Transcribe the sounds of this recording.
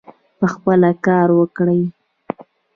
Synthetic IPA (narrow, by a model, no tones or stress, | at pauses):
pəxpəlakɑɾwəkɽəj